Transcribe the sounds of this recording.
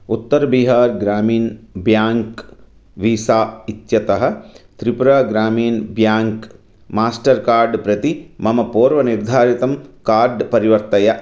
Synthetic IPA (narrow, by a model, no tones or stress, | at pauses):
ut̪ːɐɾbiɦaːɾɡɾaːmiːnbjaːŋk | ʋiːsaːit̪jɐt̪ɐɦɐ̆t̪ɾipɾɐɡɾaːmiːnbjaːŋk | maːsʈɐɾkaːɾɖpɾɐt̪imɐmɐpoːɾʋɐniɾd̪ʱaːɾit̪ɐmkaːɾɖpɐɾiʋɐɾt̪ɐjɐ